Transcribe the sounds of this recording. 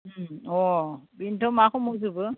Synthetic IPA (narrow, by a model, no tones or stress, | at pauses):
ɔbintʰɔmakɔmozubɯ